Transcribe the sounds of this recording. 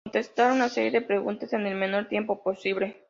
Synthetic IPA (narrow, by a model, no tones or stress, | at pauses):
nt̪e̞st̪aɾunase̞ɾje̞ðepɾe̞ɣunt̪ase̞ne̞lme̞no̞ɾt̪jempo̞po̞siβle̞